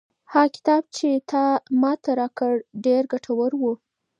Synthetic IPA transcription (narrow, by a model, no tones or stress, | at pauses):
hɑkɪ̥t̪ɑb̚t͡ʃet̪ʰɑmɑt̪aɾɑkəɽɖeɾɡaʈʰawəɾwu